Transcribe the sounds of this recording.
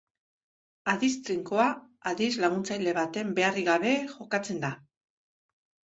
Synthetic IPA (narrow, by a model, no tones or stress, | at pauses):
aðist̪ɾiŋkoa | aðizlaɣ̞unt͡sajle̞β̞at̪e̞mbe̞ariɣaβ̞e̞xo̞kat͡se̞nd̪a